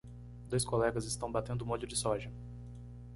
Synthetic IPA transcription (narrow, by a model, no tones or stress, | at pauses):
d̪ojskolɛɡɐzɪst̪ɐ̃w̃bat̪ẽnd̪ʊmod͡ʒʊd͡ʒɪsɔʒɐ